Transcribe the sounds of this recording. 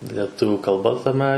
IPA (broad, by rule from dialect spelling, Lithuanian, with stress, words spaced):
lʲɛˈtʊʋʲuː kɐlˠˈbɐ tɐˈmʲɛ